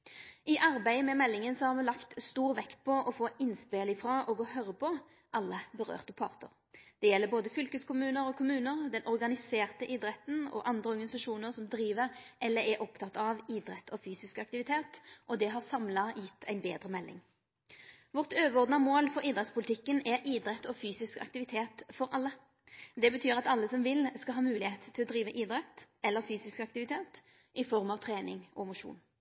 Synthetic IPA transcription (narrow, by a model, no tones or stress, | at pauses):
ɪʔɑʁbæɪmɛmɛlːɪŋənsɔhɑːʁmɛlɑkt̪st̪uːʁʋɛkt̪̚pʰɔʔɔfoːɪnspelɪfʁɑʔoːɡɔhœʁəpʰɔ | ʔɑlːəbəʁø̰ːʁt̪əpʰɑ̰ːʁt̪ə̰ʁ | d̪̥ɛjɛlːəboːd̪əfʏlkəskʊmʉːnəɾɔːkʰʊmʉːnəʁd̪ɛnʔɔʁɡɑnɪseːʁt̪əʔɪːd̪ʁɛt̪nɔ̰ʔɑnd̪ʁəɔʁɡɑnɪsɑʃuːnəʁsɔmd̪ɾiːʋəʁʔɛlːəɾɛʔɔpt̪ʰɑt̪ɑʋid̪ʁɛt̪ʰːɔfyːsɪskɑk̚t̪ɪʋɪt̪ʰeːt̪ʔɔd̪ɛɦɑsɑmlɑjɪt̪ʰːæɪnbeːd̪ʁəmɛlːɪ̰ŋ | ʋʊʁt̪øːʋəʁɔʁd̪nɑmoːlfɔʁiːd̪ʁɛt̪spʰʊlt̪ɪkːənɛʔiːd̪ɾɛt̪ːʰɔfyːsɪskɑ̰k̚t̪ɪʋɪt̪ʰeːt̪fɔɾʔɑlːə | d̪ɛbət̪ʰyːʁɑt̪ɑlːəsɔmʋɪlskɑlɦɑːmʉːlɪheːt̪t̪ʰːɪlɔd̪ʁiːʋəʔiːd̪ʁɛt̪ɛlːəfyːsɪskɑkt̪ɪʋɪt̪ʰeːt̪ | ʔɪfɔʁmɑʋt̪ʰʁeːnɪ̰ŋʔɔmʊʂṵːn